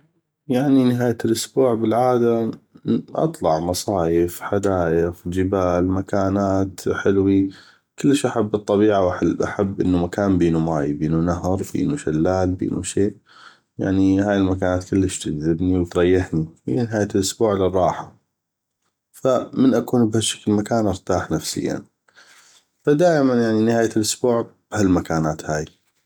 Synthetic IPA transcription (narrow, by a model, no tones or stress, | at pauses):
jaʕninɪɦaːjalʔʊsbuːʕbɪlʕaːd̪a | ʔɑ̰t̪ˤlɑʕmɑsˤɑːjɪfħad̪aːʔɪfd͡ʒɪbaːlmakaːnaːt̪ħɪlwi | kɪlːɪʃʔaħabːɨt̪ˤːɑbiːʕawaʔaħabːʔɪnːumakaːnbiːnumaːjbiːnunaɦɾˤbḭːnuʃalːaːlbḭːnṵʃeːʔ | ja̰ʕnihaːjɪlmakaːnaːt̪kʊlːɪʃt̪ɪd͡ʒðɪbniwt̪ɾˤɑjːɪħnihḭjanɪɦaːjalʔʊsbuːʕlɪrˤːɑːħa | famɪnʔakuːnbhaʃḁklmakaːnʔɑɾt̪aːħnafsɪ̰jːa̰n | fad̪aːʔɪmanjaʕninɪhaːjalʔʊsbuːʕb̥halmakaːnaːt̪haːj